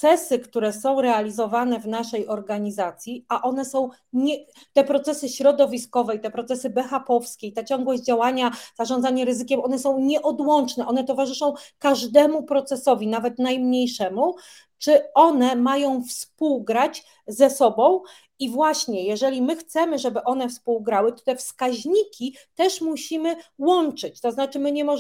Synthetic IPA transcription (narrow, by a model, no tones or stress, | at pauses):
sɛsɘkt̪uɾɛsɔ̃w̃ɾɛalʲizɔvanɛvnaʂɛjʔɔɾɡaɲizat̪sʲjiaʔɔn̪ɛsɔ̃w̃ | ɲɛt̪ɛpɾɔt̪sɛsɘɕɾɔd̪ɔvʲiskɔvɛjt̪ɛpɾɔt̪sɛsɘbɛxapɔfskʲejt̪ɛt͡ɕɔ̃ŋɡwɔʑd͡ʑawaɲaz̥aʐɔnzaɲɛɾɘzɘkʲɛmʔɔnɛsɔ̃w̃ɲɛʔɔd̪wɔnt͡ʂnɛʔɔnɛt̪ɔvaʐɘʂɔ̃w̃kaʐd̪ɛmupɾɔt̪sɛsɔvʲinavɛt̪najmɲejʂɛmu | t͡ʂɘɔnɛmajɔ̃w̃fspuwɡɾat͡ɕ | zɛsɔbɔ̃w̃ | ivwaɕɲɛjɛʐɛlʲimɘxt̪sɛmɘʐɛbɘʔɔn̪ɛfspuwɡɾawɘt̪ɔ̥t̪ɛfskaʑɲikʲi | t̪ɛʂmuɕimɘwɔnt͡ʂɘt͡ɕt̪ɔznat͡ʂɘmɘɲɛmɔ